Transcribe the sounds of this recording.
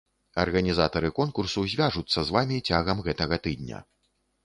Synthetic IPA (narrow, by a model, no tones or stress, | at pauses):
ɐ̰rɣɐnʲizat̪ɐɾɨkɔnkursuzʲvʲaʐut̪sːɐzvamʲit͡sʲaɣɐmɣɛt̪ɐɣɐt̪ɨd̪̚ʲnʲɐ̰